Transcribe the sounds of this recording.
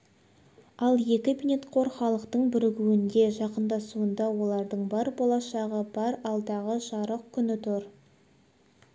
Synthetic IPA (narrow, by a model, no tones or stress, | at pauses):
ɑlˠje̞kʲɪbinet̪qʰo̞ɾχɑlˠəqt̪əɴbɪɾɪɡʲuɪnd̪e̞ʒɑqənd̪ɑsuənd̪ɑwo̞lˠɑɾd̪əɴbɑɾbolˠɑʃɑʁəbɑɾɑlˠd̪ɑʁəʒɑɾəq̚kʲʰʏnɪt̪ʰoɾ